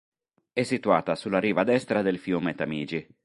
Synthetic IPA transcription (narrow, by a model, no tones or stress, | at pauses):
ɛsːit̪uaːt̪asulːaɾiːvad̪ɛst̪ɾad̪elfjuːmet̪amiːd͡ʒi